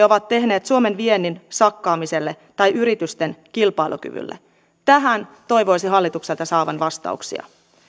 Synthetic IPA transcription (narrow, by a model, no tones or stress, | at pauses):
o̞ʋɑt̪t̪ːe̞ɦne̞ːt̪suome̞nʋie̞nːinsɑkːɑːmise̞lːe | t̪ɑjʔyɾit̪yst̪enkilpɑilṵky̰ʋy̰lːḛ | t̪æɦænt̪o̞jʋo̞jsiɦɑlːit̪ukse̞lt̪ɑsɑːʋɑnʋɑst̪ɑ̰uksḭɑ̰